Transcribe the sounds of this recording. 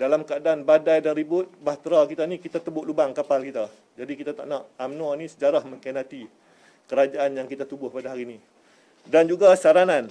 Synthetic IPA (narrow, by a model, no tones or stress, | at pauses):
dalamkəadaanbadajdanɾibʊt̪̚baht̪ɾakit̪anikit̪at̪əbʊʔlubaŋkapalkit̪a | d͡ʒadikit̪at̪a̰ʔnãʔamnanĩsəd͡ʒaɾahmə̃ŋkanat̪i | kəɾad͡ʒaʔanjaŋkit̪at̪ubʊhpadaɦaɾiːni | dand͡ʒuɡasaɾanan